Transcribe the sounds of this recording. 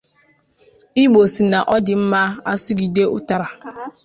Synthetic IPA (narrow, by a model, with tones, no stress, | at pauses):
i˦ɡ͡bo˨si˨na˨ʔɔ˦dɪ˨m̩˦ma˦a˦su˦ɡi˨de˦ʊ̰˦ta˨ɾa˨